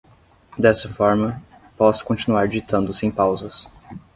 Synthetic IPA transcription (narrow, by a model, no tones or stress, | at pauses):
d̪ɛsɐfɔɾmɐ | pɔsʊ̥kõnt͡ʃinuaɾd͡ʒit̪ɐ̃nd̪ʊsẽj̃pawzɐs